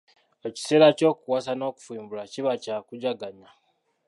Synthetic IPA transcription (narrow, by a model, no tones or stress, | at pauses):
eci̥se̞ːɾaco̞ːkuwasano̞ːku̥fiːmbulaciβacakuɟaɡaɲa